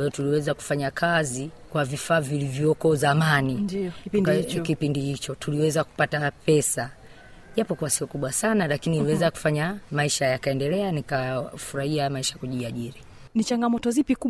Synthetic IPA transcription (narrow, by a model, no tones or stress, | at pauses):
wajɔtuliwɛzaku̥faɲakʰazikwavifaːvilivjɔkɔzamanii | kipindihit͡ʃɔtuliwɛzaku̥patapɛsa | ʄapɔkuasiɔkuɓwasanalakiniliwɛzaku̥faɲamaiʃajakaɛndɛlɛanikafuɾahiamaiʃakuʄiaʄiɾi | nit͡ʃaŋɡamɔtɔzipiku